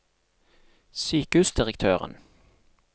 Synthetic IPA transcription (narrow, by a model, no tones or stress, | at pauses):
syːkəʉːsd̪ɪʁəkt̪ʰøːʁə̰n